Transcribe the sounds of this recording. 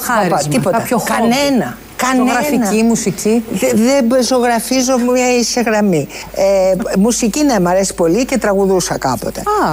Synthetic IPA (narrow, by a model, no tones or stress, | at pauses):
ɐɾt̪ipot̪ɐokɐnenɐ | kɐnɐfiimusiciðebzo̞ɣɾɐfizomɲɐisçɐɣɾɐmiemusicinemɐɾesi̥po̞lice̞t̪ɾɐɣuðusɐkɐpo̞̰t̪e̞̰ɐ